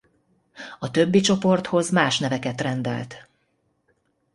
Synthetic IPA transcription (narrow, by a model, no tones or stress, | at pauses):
ɒt̪ø̞bːit͡ʃo̞po̞rt̪ho̞zmaːʃnɛvɛkɛt̪rɛnd̪ɛ̰lt̪